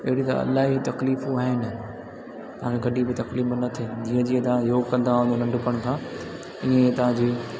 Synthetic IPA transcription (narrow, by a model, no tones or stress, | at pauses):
ɐɦɪɽit̪ɐ̰ɐ̰laːɦit̪ɐkliːfuaːɦɪnɪ̆ | t̪ɐʋãkʰeɡɐɗibɪt̪ɐkliːfnɐt̪ʰed͡ʑĩːə̃d͡ʑiːẽt̪ɐãjoːɡkɐ̃nd̪aʊ̃nd͡ʑonɐ̃ɳɖʊpəɽ̃kʰãː | ɪɦẽet̪ɐʋãɲd͡ʑiː